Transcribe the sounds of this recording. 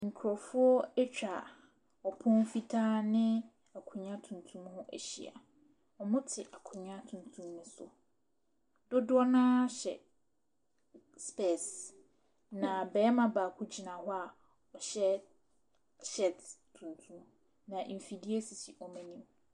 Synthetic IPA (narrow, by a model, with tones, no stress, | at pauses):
ŋ̩˨kʰʊ˨ɾɔ˨fʊ˦ɔ˦ɛ˦t͡ɕᶣa˨ | ɔ˨pʰʊ̃˦nfi˦tʰaː˦nɪ̃˦ | a˨kʰʊ˨ɲã˦tʰũ˨n˨tʰũ˦mhʊ̃˦ʔæ̰˨ɕḭ˨a̰˨ | ɔ˨mʊ̃˦tʰɪ˨ʔa˨kʰʊ˨ɲã˦tʰũ˨n˨tʰũ˦mnʊ̃˦sʊ̰˨ | dʊ˦dʊ˦ɔ˦nã˦ɕɛ̰˨ | spɛ˨s | nã˨bɛː˨˦mã˨baː˨kʰʊ˦d͡ʑi˨nã˨hʊ˦a˨ | ɔ˨ɕɛ˦ | ɕɛ˦˨ttʰũ˨ntʰũ˦m | nã˨ʔfi˨di˦e˦si˨si˨ʔɔ˨mɛ̃˦nĩ˦m